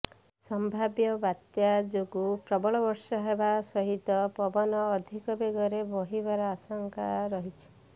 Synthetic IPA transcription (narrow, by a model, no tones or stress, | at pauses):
sɔmbʱabjɔbat̪jad͡ʒoɡupɾɔbɔɭɔbɔɾsɔɦebasɔɦit̪ɔpɔbɔnɔːd̪ʱikɔbeɡɔɾebɔɦibaɾɔasɔŋkaɾɔɦit͡ʃʰi̥